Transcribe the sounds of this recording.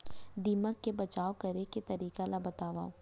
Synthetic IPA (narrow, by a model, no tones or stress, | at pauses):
d̪iːməkːebɐt͡ʃaːokɐɾeket̪ɐɾiːkalabɐt̪aːʋa̰ː